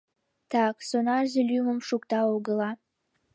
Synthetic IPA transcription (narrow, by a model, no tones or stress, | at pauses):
t̪ɑksonɑʒelyməmʃukt̪ɑoɣə̆lɑ